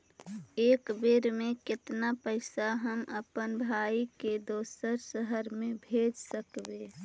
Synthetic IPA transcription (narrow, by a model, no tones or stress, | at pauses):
eːkbeɾmẽkɪt̪napəɪsaɦəməpənbʱaːiked̪oːsəɾsəɦəɾmẽbʱeːd͡ʒsəkbeː